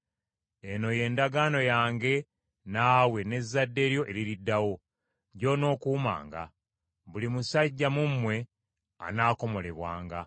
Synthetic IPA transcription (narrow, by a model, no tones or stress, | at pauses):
e̞no̞je̞ːndaɡaːno̞jaːŋɡe̞ | naːwe̞ne̞zːadːe̞ːɾjo̞ʔe̞ɾiɾidːawo̞ | ɟo̞no̞ːkuːma̰ːŋɡa̰ | βulimusaɟːamumːwe̞ | a̰naːko̞mo̞le̞βwa̰ːŋɡa